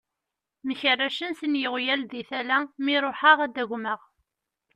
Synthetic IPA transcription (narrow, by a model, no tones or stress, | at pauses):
məçərːæʃənsənjəʁjælðiθælæmiɾˤoħəʁæd̪æɣʷməʁ